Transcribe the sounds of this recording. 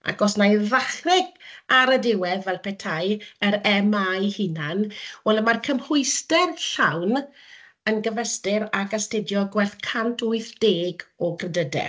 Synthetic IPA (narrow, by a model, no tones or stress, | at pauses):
a̰ɡɔsnajðaχrɛɡaɾədɪwɛðvɛlˠpʰɛtʰajəɾɛmajhɪnanwɛləmarkʰəmhʊɨstɛrɬawn | ənɡəvɛstɪɾakəstɪdjɔɡwɛrθkʰantʰʊɨθd̥eːɡɔkʰrɛdədɛ̰